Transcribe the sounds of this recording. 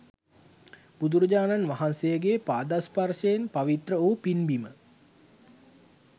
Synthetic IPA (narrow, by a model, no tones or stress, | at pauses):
b̥ud̪uɾəd͡ʑaːnanʋaɦansejəɡeːpaːd̪asparʃejenpaʋit̪ɾəopinbimə